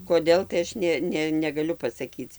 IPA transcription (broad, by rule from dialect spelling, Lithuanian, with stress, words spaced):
koːˈdʲeːlˠ tɐɪ ˈɐʃ nʲɛ ˈnʲɛ nʲɛɡɐˈlʲʊ pɐsɐˈkʲiːt͡s